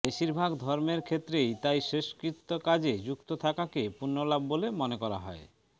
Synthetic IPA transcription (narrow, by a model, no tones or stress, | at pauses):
beʃiɾbʱaɡd̪ʱɔɾmeɾkʰet̪ːɾejt̪ajʃeʃkɾit̪ːokad͡ʑed͡ʑukt̪ot̪ʰakakepunːolabːolemonekɔɾa̰ɦɔe